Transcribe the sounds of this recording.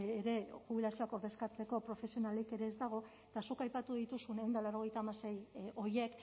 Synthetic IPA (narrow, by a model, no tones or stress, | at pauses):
ɾe̞xuβ̞ilasio̞ako̞ɾðe̞skat͡se̞ko̞pɾo̞fe̞sio̞naleke̞ɾe̞ːzd̪aɣ̞o̞ | t̪asukajpat̪uðit̪usune̞wnd̪alawɾo̞ɣ̞e̞jt̪aːmase̞jo̞je̞k